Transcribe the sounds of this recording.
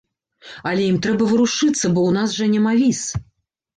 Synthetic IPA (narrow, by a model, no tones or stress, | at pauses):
ɐlʲɛjimt̪ɾɛbɐvɨɾuʂɨt̪sːɐbɔwnasʐɐnʲɛmavʲis